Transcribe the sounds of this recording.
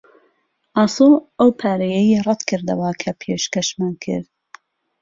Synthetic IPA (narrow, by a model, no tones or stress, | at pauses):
ʔɑsoʔɐwpʰaːɾɐjɛjirˤɛd̪kʰɨɾd̪ɐwɐkʰɐpʰeʃkɐʃmaːnkʰɨ̰ɾd̪